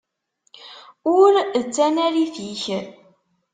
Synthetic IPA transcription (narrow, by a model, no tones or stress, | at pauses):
ʊɾət͡sːænæɾiθiç